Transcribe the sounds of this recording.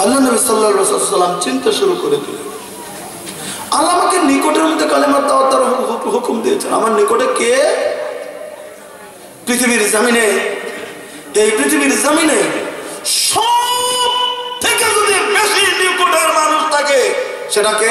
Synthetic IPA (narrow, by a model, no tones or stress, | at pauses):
ɐlːaɾnɐbisɐlːasa̰t̪salːamt͡ɕint̪aʃuɾukoɾet̪ile | alːapakenikoʈeɾmod̪ʱːekalimat̪ːaot̪ːaɾɦuɦukumd̪ijet͡ɕʰena̰maɾnikoʈeke | pɾit̪ʰibiɾzɐmine | t̪ejpɾit̪ʰibiɾzamine | ʃɔb̚t̪ʰeked͡ʒod̪ibeʃinikoʈaɾmaɾuʃt̪ʰake | ʃeʈake